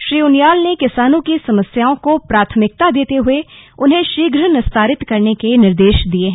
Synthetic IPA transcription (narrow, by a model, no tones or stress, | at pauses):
ʃɾiːʊnjaːlnekɪsaːnõkisɐməsjaːõkopɾaːt̪ʰəmɪk̚t̪ad̪eːt̪eɦʊeʊnɦẽʃiːɡɾənɪst̪ʰaːɾɪt̪kɐɾnekenɪɾd̪eːʃd̪ieɦɛ̃